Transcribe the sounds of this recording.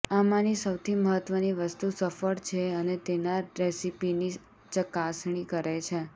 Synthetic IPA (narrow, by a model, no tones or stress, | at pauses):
amãnisəwt̪ʰiməɦət̪ʋəniʋəst̪usəfəɽt͡ʃʰeənet̪enaɾesipini | t͡ʃəkasɳ̃ikəɾejt͡ʃʰe